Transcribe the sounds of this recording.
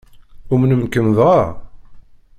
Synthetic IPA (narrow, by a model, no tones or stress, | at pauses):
umnəmkəmðʁa